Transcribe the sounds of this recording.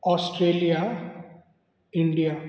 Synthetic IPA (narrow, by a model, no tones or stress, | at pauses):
ɔːsʈɾeːlija | ɪ̃ɳɖija